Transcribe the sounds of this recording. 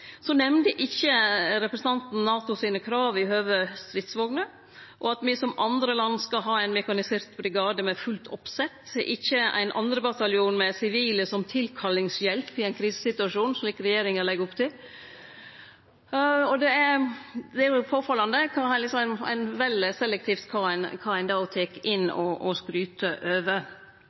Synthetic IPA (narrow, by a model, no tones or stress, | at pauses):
sɔnɛmnd̪əʔɪçːəɾɛpɾəsn̩ɑnt̪n̩nɑːt̪ʊsiːnəkʰɾɑːʋɪhøːʋəst̪ɾɪt̪sʋɔɡnə | ʔɔɑt̪mɪsɔmʔɑnd̪ɾəlɑnːskɑɦɑːæɪnmɛkɑnɪseːɾt̪bɾɪɡɑːd̪əmɛfʉlt̪ʰɔpsɛt̪ːʔɪ̰çːəʔæ̰ɪnʔɑ̰nd̪ɾəbɑt̪ɑljɪuːnmɛsɪʋiːləsɔmt̪ʰɪlkʰɑlɪŋsjɛlpɪæɪnkʰɾiːsə̥sɪt̪ʉɑʂuːnsɔliːkəɾɛjeːɾɪŋəlɛɡəɾɔpt̪ʰɪl | ɔd̪ɛæd̪ɛæɾjʊpʰoːfɑlːɑnd̪əkʰɑlɪksɔmænæ̰ɪnʋɛlɪsɛlːɛk̚t̪ʰiːft̪kʰɑnkʰɑæɪnd̪ɑʊt̪ʰeːkɪnːɔɔskɾyːt̪ʰəʔøːʋə